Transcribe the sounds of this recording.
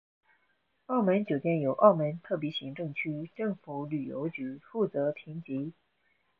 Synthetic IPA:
ɑ˥˩ʊmə˧˥nt͡ɕjo˨˩ʊt̪jɛ˥˩njo˨˩ʊʔɑ˥˩ʊmə˧˥nt̪ʰɤ˥˩pjɛ˧˥ɕi˧˥ŋʈ͡ʂɤ˥˧ŋt͡ɕʰy˥ʈ͡ʂɤ˥˩ŋfu˧˥˦ly˨˩jo̰˧˥ʊt͡ɕy˧˥fu˥˩t͡sɤ˧˥pʰi˧˥ŋt͡ɕi˧˥

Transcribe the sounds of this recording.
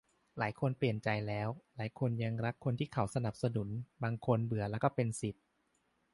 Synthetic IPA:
laː˩˦jkʰo˧npli˨˩ənt͡ɕa˧jlɛː˦˥wlaː˩˦jkʰo˧nja˧ŋɾa˦˥kʰːo˧nt̪ʰiː˥˩kʰa˩˦wsa˧na˨˩p̚sa˧nu˨˩˦nbaː˧ŋkʰo˧nbɯ˨˩˦ɐlɛː˦˥kɔː˥˩pe˧nsi˨˩t̪̚

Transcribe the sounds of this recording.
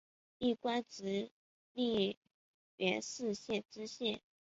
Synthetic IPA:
i˥˩kwa˥nʈ͡ʂɻ̩˧˥ | li˥˧ | ɥɛ˧˥nʂɹ̩˥˧ɕjɛ˥˩nʈ͡ʂɻ̩˥ɕjɛ˥˩n

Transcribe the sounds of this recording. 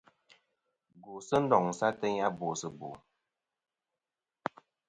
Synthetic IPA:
ɡu˨sə˦n̩˦dɔ˨ŋ̩˨sa˦tə˦ɲa˦bo˨sə˨bo̰˨

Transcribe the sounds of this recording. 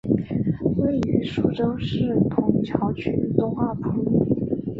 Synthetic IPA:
we˥˩ɪy˧˥ʂu˥˩ʈ͡ʂɤ˥ŋʂɻ̩˥˩p̪ʰʊ˧˥ŋt͡ɕʰjɑ˧˥ʊt͡ɕʰy˥˩t̪ʊ˥ŋxwa˥˩p̪ʰa˥u˥˩˨

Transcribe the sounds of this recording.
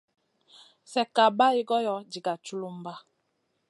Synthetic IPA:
sɛ˨ka˨ba˦i˦ɡɔ˦jɔ˦d͡ʒi˨ɡa˨t͡ʃu˦lu˦m˦ba˦

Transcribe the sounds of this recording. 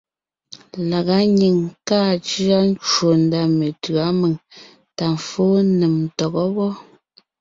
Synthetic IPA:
la˨ɣa˨˦ɲi˨ŋkaː˦˨t͡ʃi˦a˦n˦t͡ʃwo˨n˦da˦me˨tɰa˨˦me˨ŋ | ta˨m˨foː˦ne˨m˨tɔ˨ɣɔ˦wɔ˦

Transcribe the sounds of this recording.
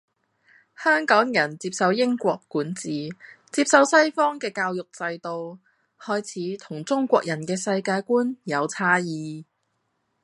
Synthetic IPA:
hœː˥ŋkɔː˨˥ŋjɐ˨˩nt͡siː˧˥p̚sɐ˧wjɪ˥ŋkʷɔː˧kːuː˨˥nt͡siː˨t͡siː˧p̚sɐ˧wsɐ˥jfɔː˥ŋkɛː˧kaː˧wjʊ˨k̚t͡sɐ˧jt̪o˨˧w | hɔː˥jt͡sʰiː˨˥t̪ʰʊ˨˩ŋt͡sʊ˥ŋkʷɔː˧k̚jɐ˨˩nkɛː˧sɐ˧jkaː˧jkuː˥njɐ˨˧wt͡sʰaː˥jiː˨

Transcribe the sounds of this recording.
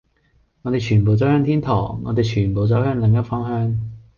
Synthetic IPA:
ŋɔ˨˧t̪e˨jt͡ʃʰyː˨˩npo˨wt͡sɔ˨˥whœː˥ŋt̪ʰiː˥nt̪ʰɔ̰ː˨˩ŋːɔ̰ː˨˧t̪e˨jt͡ʃʰyː˨˩npo˨wt͡sɔ˨˥whœː˥ŋlɪ˨˧ŋjɐ˥fɔ˥ŋhœː˥ŋ

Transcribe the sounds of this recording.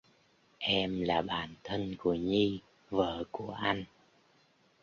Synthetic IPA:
ʔɛ˧mlaː˨˩ɓaː˨˩nt̪ʰə˧nku˧˩əɲi˧ | və̰ː˧˨ku˧˩əʔa˧jŋ̟

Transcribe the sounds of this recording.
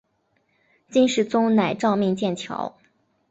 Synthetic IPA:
t͡ɕi˥nʂɻ̩˥˩t͡sʊ˥ŋna˨˩ɪʈ͡ʂɑ˥˧ʊmi˥˧ŋt͡ɕjɛ˥˩nt͡ɕʰjɑ̰˧˥ʊ

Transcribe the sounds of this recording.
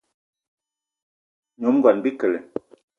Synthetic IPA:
ɲo˨˦m˦ɡɔ˨nbi˦kə˨le˨

